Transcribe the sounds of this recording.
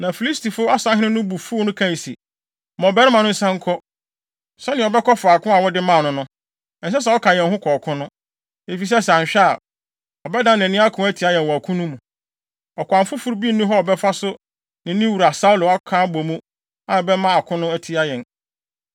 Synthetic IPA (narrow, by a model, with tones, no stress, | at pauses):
nã˨fi˨li˦stʰi˨fʊ˦a˦sã˦ɦɪ̃˦nɪ̃˦nʊ̃˦bu˨fu˦nʊ̃˦kʰã˦˨sḭ˨ | mɔ̃˨bɛ˦ɾɪ̃˦mã˨nʊ̃˦n̩˦sã˦ŋ˦kʰɔ˦ | sɛ˦nɪ̃˨ɔ˨bɛ˦kʰɔ˦fʊ˨a˨kʰʊ̃˦a˨wɔ˦dɪ˦mã˦˨nʊ̃˦nʊ̃˦ | ɛ˨n̩˨s̬ɛ˦s̬a˨ɔ˦kʰã˨jɛ̃˨˦ɦʊ̃˦kʰɔː˨kʰʊ̃˦nʊ̃˦ | e˨fi˨s̬ɛ˦sɛ˨ɕᶣɛ˦a˨ | ɔ˨bɛ˦dã˦nɛ̃˨nɪ̃˦a˦kʰʊ̃˦æ˦tʰi˨˦a˦jɛ̃˨n˨wɔ˨a˨kʰũ˦nũ˦mũ˨ | ɔ˨kʷʰã˨mfʊ˦fʊ˦ɾbi˦nũ˦ɦɔ˦ɔ˨bɛ˦fa˦sʊ˦ | nɪ̃˨˦nĩ˦wu˨ɾa˨sa˦wlʊ˨a˦kʰã˦bo˨mũ˦ | a˨ɔ˨bɛ˦mã˦a˨kʰʊ̃˦nʊ̃˦æ˦tʰi˦a˦jɛ̃˨n